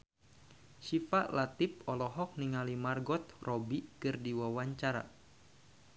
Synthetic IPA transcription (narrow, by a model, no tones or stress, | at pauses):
ʃifaʔlat̪ipɔlɔɦɔk̚niŋalimarɡɔt̪̚rɔbikɨrdiwawaɲt͡ʃaɾa̰